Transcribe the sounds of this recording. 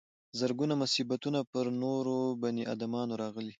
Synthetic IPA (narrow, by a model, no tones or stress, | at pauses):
zəɾɡunamʊsibat̪unapəɾnoɾobaniʔa̰d̪amɑnoɾɑɣəli